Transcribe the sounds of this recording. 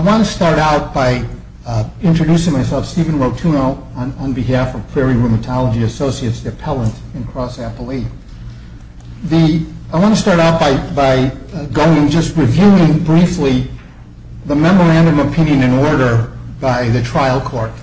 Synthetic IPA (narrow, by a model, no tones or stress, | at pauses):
aɪwɑ̃nɨstɑɹɾaʊt̚b̥aɪ | ɪ̃nt͡ʃɹ̥ɨdʉsɪ̃ŋmaɪsɛlˠfstiṽn̩ɹoʊtʰũnoʊ̃nə̃nbɨɦæfʌv̥pʰɹ̥ɛɹiɹumɨtʰɑlˠəd͡ʒiɨsoʊsiɨtsɨpʰɛlˠə̃nt | ɨ̃nkʰɹ̥ɔsæpl̩ˠi | ðiaɪwɑ̃nɨstɑɹɾaʊt̚b̥aɪbaɪɡoʊɪ̃ŋd͡ʒʌst̚ɹivjuɪ̃ŋbɹifli | ðəmɛmə˞æ̃ndɨ̃məpʰɪ̃njɨ̃nɨ̃nɔɹɾə˞baɪðɨtʰɹ̥aɪl̩ˠkʰɔɹt̚